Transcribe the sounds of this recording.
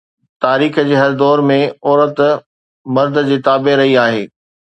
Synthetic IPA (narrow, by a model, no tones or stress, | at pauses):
t̪aːɾiːxd͡ʑeːɦɐɾd̪ɔːɾmẽɔːɾət̪ | mɐɾd̪̆d͡ʑiːt̪aːbeɾɐɦiaːɦeː